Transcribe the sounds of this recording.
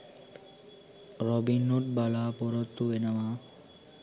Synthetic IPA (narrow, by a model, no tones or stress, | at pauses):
ɾɔbinːuʈ̚balaːpɔɾɔt̪ːuenama